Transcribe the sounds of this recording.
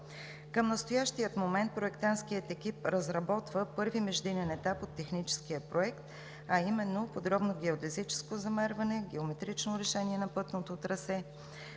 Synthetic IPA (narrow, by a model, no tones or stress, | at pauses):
kəmnəst̪ojaʃt̪ijət̪momɛnt̪̚pɾoɛkt̪anskiət̪ɛkipɾəzɾɐbɔt̪vəpɤɾvimɛʒd̪inɛnɛt̪apot̪ːɛxnit͡ʃɛ̥skijəpɾoɛkt̪ | ɐimɛnːopod̪ɾɔbnoɡɛod̪ɛzit͡ʃɛ̥skozɐmɛɾvɐnɛɡɛomɛt̪ɾit͡ʃnoɾɛʃɛniɛnɐpɤt̪not̪ot̪ɾɐsɛ